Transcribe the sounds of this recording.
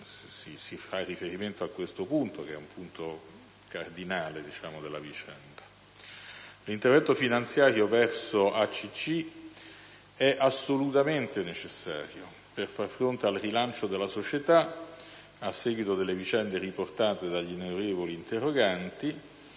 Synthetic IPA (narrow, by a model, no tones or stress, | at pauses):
sisifarːifeɾiment̪oakːwest̪opunt̪okeɛumpʰunt̪o | kard̪inaːled̪it͡ʃaːmod̪elːavit͡ʃɛnd̪a | lint̪ervɛnt̪ofinant̪sjaːɾjovɛrsoʔat͡ʃːit͡ʃːi | ɛʔasːolut̪ament̪enet͡ʃesːaːɾjo | perfarfɾont̪ealrilant͡ʃod̪elːasot͡ʃet̪a | asːeːɡwit̪od̪elːevit͡ʃɛnd̪eriport̪aːt̪ed̪aʎːineɾeːvoliːnt̪erːoɡant̪i